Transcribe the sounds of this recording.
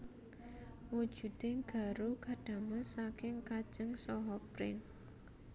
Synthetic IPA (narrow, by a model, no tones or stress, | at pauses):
wud̥ʒ̥ṳd̪̥eŋɡ̥a̤ɾukaɖ̥ä̤məsakɪŋkad̥ʒ̥əŋsɔɦɔpɾɪŋ